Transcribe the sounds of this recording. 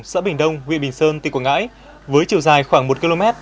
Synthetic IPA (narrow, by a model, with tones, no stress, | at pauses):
ŋ͡msa̰ː˧˥ɓï˨˩ŋ̟ɗə˧wŋ͡mwḭ˧ənɓï˨˩ŋ̟səː˧nt̪i˨˩kwŋa̰ː˧˥j | vəː˨˦jt͡ɕi˨˩əwzaː˨˩jxwaː˧˩ŋmo˨˩t̚ki˧lo˧mɛ˦˥t̚